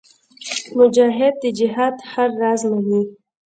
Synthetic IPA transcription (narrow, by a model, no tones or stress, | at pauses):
mʊd͡ʒɑːɦɪd̪̚ːid͡ʒɪɦɑːd̪haɾːɑːzmawi